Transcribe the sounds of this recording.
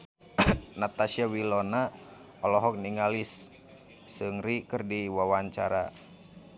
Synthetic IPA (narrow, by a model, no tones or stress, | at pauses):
nat̪asiawilona | ɔlɔɦɔk̚niŋalisː | ɨŋɾikərdiwawaɲt͡ʃa̰ɾa̰